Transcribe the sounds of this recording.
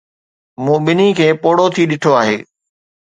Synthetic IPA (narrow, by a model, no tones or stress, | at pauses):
moːɓɪnikʰeːpoːɽot̪ʰiɗɪʈʰoaːɦeː